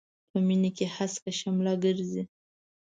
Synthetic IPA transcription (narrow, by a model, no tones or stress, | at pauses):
pəminikehaskaʃamlɑɡəɾzi